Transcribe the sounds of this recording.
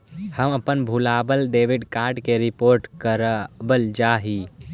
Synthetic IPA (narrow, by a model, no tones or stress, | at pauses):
həməpənbʱulabəlɖeʋiɖkaɾɖkeɾipoːɾʈkəɾbəld͡ʒaɦi